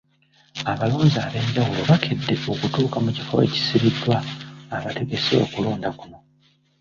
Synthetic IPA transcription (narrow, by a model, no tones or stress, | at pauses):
aβaloːzaːβe̞ːɲɟawulo̞βakʰedːe̞o̞kutuːkamucifo̞̰e̞̰ci̥siβidːwaːβate̞ɡe̞seo̞̰kulo̞ːndakuno̞